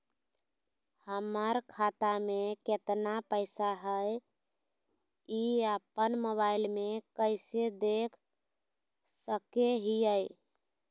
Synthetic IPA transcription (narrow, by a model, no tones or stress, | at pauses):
həməɾkʰat̪ameket̪napəɪsaɦəj | iəpənmoβaɪlmekəɪsed̪ekʰ | səkeɦiəj